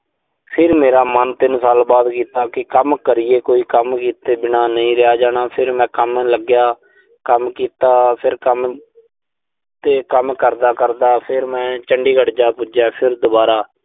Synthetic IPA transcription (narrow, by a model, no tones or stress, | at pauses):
pʰɪɾmeːɾaːmənt̪ɪnsaːlbaːd̪kiːt̪aːkɪkəmkəɾɪːeːkoːiːkəmkiːt̪eːbɪnaːnəĩːɾɪjaːd͡ʒaːɽ̃aːpʰɪɾmɛ̃ːkəmləɡjaː | kəmkiːt̪aːpʰɪɾkəm | t̪eːkəmkəɾd̪aːkəɾd̪aːpʰɪɾmɛ̃ːt͡ʃəɳɖiːɡəɽd͡ʒaːpʊd͡ʒaːpʰɪɾd̪ʊbaːɾaː